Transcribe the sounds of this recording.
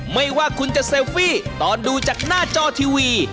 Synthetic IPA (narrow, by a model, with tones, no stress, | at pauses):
ma˥˩jwaː˥˩kʰu˧nt͡ɕa˨˩ʔseː˧fiː˥˩t̪ɔː˨˧nduː˧t͡ɕaː˨˩k̚naː˥˩t͡ɕɔː˧t̪ʰiː˧wiː˧